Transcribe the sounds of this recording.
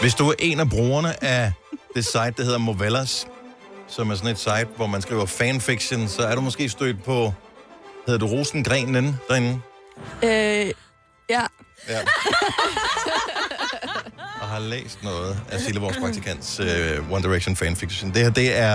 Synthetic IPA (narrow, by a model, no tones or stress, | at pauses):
ʋe̝sd̥uæɐʔe̝næb̥ʁoːɐnəʔæd̥e̝sɑ̈ɪ̰d̥̚ːɑ̈he̝ð̞ˠɐmoʋelæs | sɒ̽mæɐsɒ̽ne̝d̥sɑ̈ɪd̥ʋɒmænsɡ̥ḭːɐfænfiɡ̥ɕənsɒ̽æɐɾ̥umɒ̽sɡ̥e̝̰ːsd̥ø̰ːd̥̚pʰɒ̽ | heðˠɐd̥uʁoːsn̩ɡ̥ʁɛ̰ːnːend̥æe̝nn̩ | jæjæ | jɑɦɑ̈lḛːsd̥nɔ̽ːð̩ˠæsiləʋɒːspʰʁɑ̈ɡ̚t͡sʰikʰæn̰d̥søwɒnd̥iʁeɡ̥ɕonfɛnfiɡ̥ɕond̥ehd̥e̝æɐ